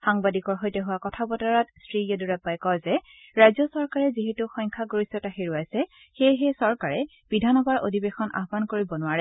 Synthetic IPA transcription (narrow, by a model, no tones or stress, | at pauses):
xaŋbadikɔɹɦojtɛɦʊwakɔtʰabɔtaɹatstɹiɔduɹapajkɔjzɛ | ɹajzɔsɔɹkaɹɛziɦɛtuxɔjɲŋkʰaɡoɹisɔtaxiɹuajsɛ | xejɦɛsɔɹkaɹɛ | b̥idʱanɔbaɹʔo̰dʱibexɔnʔa̰ɦbankoɹibɔnʊwaɹɛ